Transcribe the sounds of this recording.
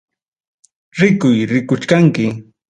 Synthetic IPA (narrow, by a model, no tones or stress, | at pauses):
ɾɪkʊjɾɪkʊt͡ʃkaŋkɪ